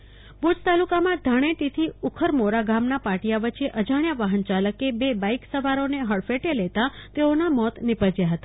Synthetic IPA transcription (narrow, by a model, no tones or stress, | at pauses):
bud͡ʒt̪alukamãd̪ʱəɽ̃eʈ̪it̪ʰiukʰəɾmoɾaɡamnapaʈijaʋət͡ʃeʔəd͡ʒaɳjaʋaɦənt͡ʃaləkebebaiksəʋaɾoneɦəɭfeʈelɛt̪at̪eonamɔt̪nɪpəd͡ʒjaɦət̪a